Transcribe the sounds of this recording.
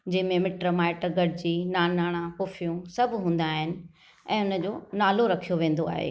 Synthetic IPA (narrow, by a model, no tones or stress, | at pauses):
d͡ʑɐ̃ɦɪ̃mẽmɪʈɾəmaːɪʈɡɐɖd͡ʑiːnaːnaːɽ̃ãxʊːfijũsɐbʱɦũːn̆d̪aːɦɪnɪ̆ | ɛ̃ːɦʊnə̆d͡ʑoːnaːloɾɐkʰijoʋẽːnd̪oa̰ːɦḛː